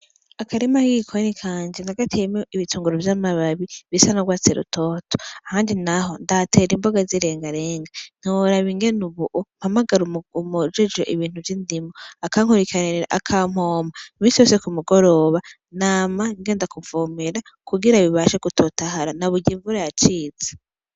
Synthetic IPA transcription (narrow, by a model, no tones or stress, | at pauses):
akaɾemahiikʰonikʰaːɲd͡ʒenaɡatʰimoiβituːŋɡuɾovjaːmaβaβiβisanaɡwaːt͡seɾṵtʰoːtʰo̥ahaːndinaɦo̞ndatʰe̞ːɾimboɡaziɾe̞ːŋɡaɾe̞ːŋɡan̥iwoɾaβiŋɡenuβuʔom̥hamaɡaɾuumud͡ʒed͡ʒoʔiβiːn̥huvjindimoakaŋ̥huɾikʰaniɾiɾa̰ʔakʰam̥hoːmaimĩːsijo̞ːsekumuɡo̞ɾo̞ːβa | naːmaiŋɡe̞ːndakuvoːmeɾa | kuɡiɾaβiβaʃeɡutʰotaɦaɾanaβuɟiːɱvuɾejat͡ʃiːze̥